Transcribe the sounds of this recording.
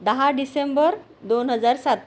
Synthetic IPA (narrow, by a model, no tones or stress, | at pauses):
d̪əɦaɖisembəɾd̪onɦəd͡zaɾsat̪